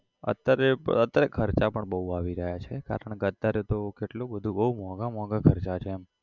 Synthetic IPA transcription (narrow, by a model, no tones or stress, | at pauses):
ə̰t̪ːjaɾeət̪ːjaɾekʰəɾt͡ʃapəɳbəɦuaʋiɾəɦjat͡ʃʰeka̰ɾəɳɡət̪ːaɾet̪okeʈlobəd̪ʱũbəɦumɔɡamɔɡakʰəɾt͡ʃat͡ʃʰeːm